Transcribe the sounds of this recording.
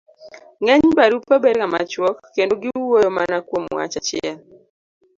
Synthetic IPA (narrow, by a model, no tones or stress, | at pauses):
ŋɛɲbaɾupːabedkama̰t͡ʃwɔkːendoɡɪwojomanakwomwa̰t͡ʃat͡ʃɛl